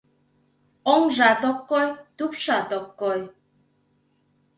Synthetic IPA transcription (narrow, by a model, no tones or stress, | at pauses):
ɔŋʒat̪ɔkːɔjt̪upʃat̪ɔkːɔj